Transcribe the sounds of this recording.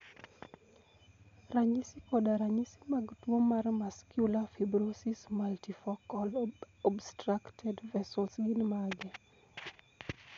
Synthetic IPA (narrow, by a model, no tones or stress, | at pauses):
raɲisikɔdaɾaɲisi̥maɡtwomːarmaskjulafibɾosismaltifɔkɔl | ɔbstɾaktʰɛdvɛsɔlsɡinmaɡɛ